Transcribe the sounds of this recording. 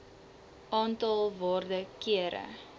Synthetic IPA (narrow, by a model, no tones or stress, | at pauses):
ʔɑːntɑlˠvɑːrdəkiəɾə̰